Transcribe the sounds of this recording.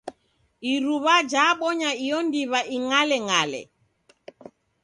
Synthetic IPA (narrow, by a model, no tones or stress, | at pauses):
iɾuβad͡ʒaːɓɔɲaijɔndiβaʔiŋalɛŋalɛ̰